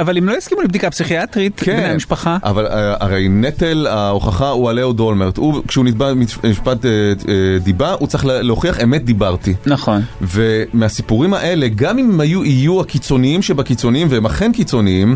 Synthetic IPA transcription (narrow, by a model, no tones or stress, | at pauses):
avalimlojiskimulibd̪ikapsiχiat̪ʁit̪kebnejamiʃpaχaʔa̰valaa̰ʁejnetelaoχaχaualeodolmeʁt̪ukʃeunit̚bamimiʃpateedibaʔut͡sʁaχlleo̞χiaχe̞met̪̚d̪ibaʁtinaχonve̞measipuʁimhaʔe̞le̞ɡamimajuʔijuakit͡so̞niimʃebakit͡so̞niimveemaχenkit͡so̞niim